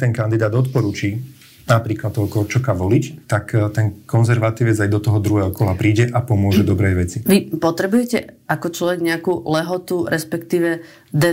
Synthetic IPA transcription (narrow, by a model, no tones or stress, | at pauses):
t̪ɛŋkand̪id̪aːd̪ɔt̪pɔɾut͡ʃiː | napɾiːklat̪ːɔɦɔkɔɾt͡ʃɔkaʋɔlit͡ʃt̪akt̪ɛnkɔnzɛɾʋat̪iːʋɛd͡zajd̪ɔt̪ɔɦɔd̪ɾuɦɛːɦɔkɔlapɾiːɟɛʔapɔmʊɔʒɛd̪ɔbɾɛjʋɛt͡siʋipɔt̪ɾɛbujɛcɛ̰akɔt͡ʃlɔʋɛɡɲɛakuːlɛɦɔt̪uɾʔɛspɛkt̪iːʋɛ | d̪ɛ